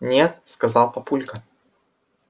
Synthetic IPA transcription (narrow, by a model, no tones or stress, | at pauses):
nʲet̪skɐzɑlˠpɐpulʲkə